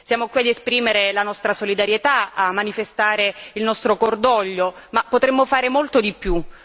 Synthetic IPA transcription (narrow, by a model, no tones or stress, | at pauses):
sjaːmokwiad̪espɾiːmeɾelanɔst̪ɾasolid̪aɾjet̪aamːanifest̪aːɾeilnɔst̪ɾokord̪ɔʎːomapːot̪ɾemːofaːɾemolt̪od̪ipːju